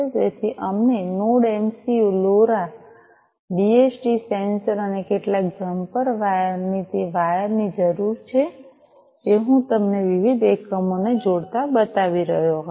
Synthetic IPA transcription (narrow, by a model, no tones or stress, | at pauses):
d͡ʒet̪ʰiʔəmnenoɽemsioloɾa | ɖiesʈisensəɾənekeʈlak̚d͡ʒəmpəɾʋajnit̪eʋajəɾnid͡ʒəɾuɾt͡ʃʰe | eɦũt̪əmneʋiʋid̪ʱʋekɾəmoned͡ʒoɽt̪abət̪aʋiɾəɦjo